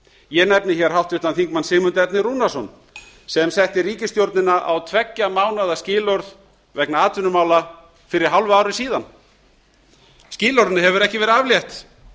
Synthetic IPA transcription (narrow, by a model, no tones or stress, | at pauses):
jɛnɛpnɪçɛɾ̥ɦawht̪ʏht̪anθiŋkmansɪːmʏnt̪ɛpnɪɾunasɔn | sɛmsɛht̪ɪɾiːcɪst̪jowɾt̪nɪnːaʔawt̪ʰvɛcːamaːwnaðascɪːlɔɾð | vɛknaaːt̪ʏnʏmaːwla | fɪɾɪɾ̥ɦawlvaːwɾɪsiːðan | sciːlɔɾðnɪɦɛvʏɾɛhcɪvɛɾɪaːvljɛht̪